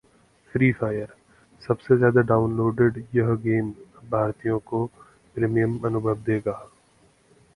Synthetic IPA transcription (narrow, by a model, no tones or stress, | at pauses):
fɾiːfaːjəɾ | sɐbsezjaːd̪aɖaːʊnloːɖeɖjɐɦɡeːmbʱaːɾt̪ijõko | pɾeːmijəmɐnʊbʱəʋd̪eːɡaː